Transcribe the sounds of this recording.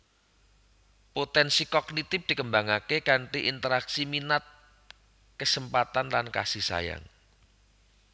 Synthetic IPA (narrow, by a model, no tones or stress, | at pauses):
pot̪ɛnsikɔɡnit̪ɪp̚d̪̥ikəmbaŋakekaɳʈiʔint̪əɾaksiminat̪̚ | kəsəmpat̪anlanka̰sihsa̰ja̰ŋ